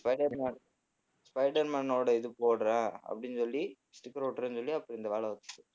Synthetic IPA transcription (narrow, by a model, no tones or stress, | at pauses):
spɐɪɖɐɾman | spɐɪɖɐɾmɐːnoːɽɐɪðɯpoːɽɾẽːɐ̰pːɐɽɪnːsɔlːi | sʈɪkːɾoːʈːɐɾensɔlːiɐpːɐɽiɪnd̪ɐʋaːɭɐʋɐt̪ːɯ̥kːɯ